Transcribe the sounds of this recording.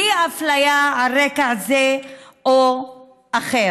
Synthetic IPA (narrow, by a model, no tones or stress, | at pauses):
iaflajaaɾekaazeo | aχe